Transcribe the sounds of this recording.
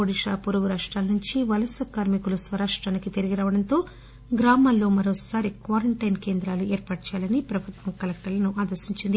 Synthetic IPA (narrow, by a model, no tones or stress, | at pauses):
oːɽiʂaːpuɾuɡuɾaːʂʈɾaːlɐnuɲt͡ʃiʋɐlɐsɐkaːɾmikulusʋɐɾaːʂʈɾaːnikit̪eɾiɡiɾaːʋɐɽɐnt̪o̞ː | ɡɾaːmaːlːo̞ːmɐɾoːsaːɾikʋaːɾɐɳʈɐjnke̞ːnd̪ɾaːlueːɾpaːʈɐt͡ʃɛjaːlɐnipɾɐbʱut̪ʋɐŋkɐlek̚ʈɐɾlɐnuʔaːd̪ɐɾsiɲt͡ʃind̪i